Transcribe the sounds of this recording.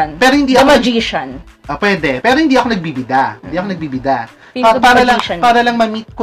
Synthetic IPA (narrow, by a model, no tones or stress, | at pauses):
npɛːɾohɪnd̪iːʔoɐd͡ʒiʃɐnʔopwɛd̪ɛpɛːɾo̞hɪnd̪iːɐkonɐɡ̚bibɪd̪ahɪd̪iːɐkonɐɡ̚biːbɪd̪a | paːɾɐlɐpaːɾɐlɐŋmɐmit̪̚ko